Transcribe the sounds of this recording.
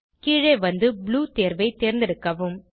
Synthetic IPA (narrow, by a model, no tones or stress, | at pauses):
kiːɻeɪʋɐnd̪ɯbluːt̪eːɾʋɐɪt̪eːɾnd̪ɪɾɯkːɐʋɯm